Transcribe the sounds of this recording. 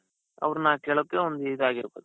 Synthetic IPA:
ɐ̰ʋɾnaːkeːɭokːeond̪uiːd̪aːɡiɾboːd̪u

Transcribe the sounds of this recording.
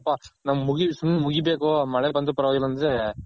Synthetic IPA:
pːanɐmːɐmuɡisunːɐmuɡibeːkomɐɭebɐnd̪upɐɾɐʋaːɡilːɐnd̪ɾe

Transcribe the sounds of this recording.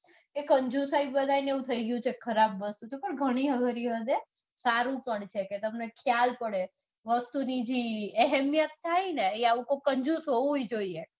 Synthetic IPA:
ekəɲd͡ʒusaibbəd̪ʱaineʋũt̪ʰəiɡjũt͡ʃʰekʰəɾabʋəst̪ut̪ʰepəɳɡʱəɽ̃iɦəɡʱəɾiʋəd̪e | saɾũpəɳt͡ʃʰeket̪əmnekʰjalpəɽe | ʋəst̪unid͡ʒiɛɦɛmjət̪ːʰajneeaʋũkokəɲd͡ʒusɦoũɦoid͡ʒoie

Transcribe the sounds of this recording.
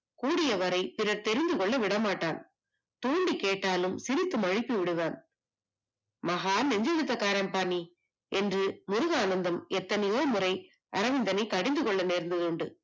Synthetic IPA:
kuːɽɪjɐʋɐɾɐɪpɪɾɐɾt̪ɛɾɪnd̪ɯkɔɭːɐʋɪɽɐmaːʈːaːn | t̪uːɳɖikeːʈːaːlɯmsɪɾɪt̪ːɯmɐɻɪpːiʋɪɽɯʋaːn | mɐɣaːlɛɲd͡ʒɐɻɯt̪ːɐkaːɾɐmpaːni | ɛndrɯmʊɾɯɣaːnɐnd̪ɐmɛt̪ːɐnɐjoːmʊɾɐɪ | ʔɐɾɐʋɪnd̪ɐnɐɪkɐɽɪnd̪ɯkɔɭːɐneːɾnd̪ɯðɯɳɖɯ̰

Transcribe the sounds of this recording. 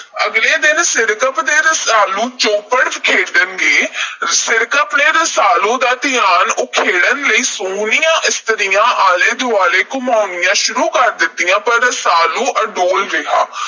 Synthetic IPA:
əɡleːd̪ɪnsɪɾkəpd̪eːɾəsaːlũːt͡ʃoːpəɽkʰeːɽd̪ənɡeːsɪɾkəpneːɾəsaːlõːd̪aːt̪ɪjaːnʊkʰeːɽənləiːsoːnɪjãːʔɪst̪əɾɪjãːʔaːleːd̪ʊaːleːkʊmaːʊnɪjãːʃʊɾuːkəɾd̪ɪt̪ːɪjãːpəɾːəsaːlũːʔəɖoːlɾɪɦaː

